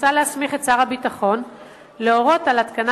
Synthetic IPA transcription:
alehasmiχet͡saʁhabitaχo̞n | leo̞ʁo̞talat̪kana

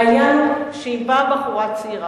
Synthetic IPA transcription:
lanʃeibabaχuʁat͡siʁa

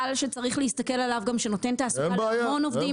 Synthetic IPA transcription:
alʃet͡saʁiχleist̪ake̞lalavɡamʃeno̞te̞nt̪aːsuabeːjamono̞vdi

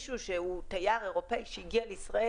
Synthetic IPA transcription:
ʃuʃeut̪ajaʁe̞ʁo̞peiʃeiɡialeisʁae

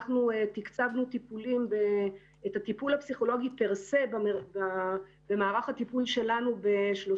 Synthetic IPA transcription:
χnuet̪ikt͡savnut̪ipulimbe | eːtat̪ipulhapsiχo̞lo̞ɡipeʁse̞bea | b̥e̞maːʁaχhat̪ipulʃe̞lanube̞ʃlo

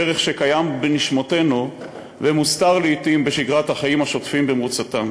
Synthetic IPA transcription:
eʁeχʃe̞kajambeniʃmote̞nu | vemust̪aʁleit̪imbeʃiɡʁathaχajimhaʃo̞tfimbemʁut͡satan

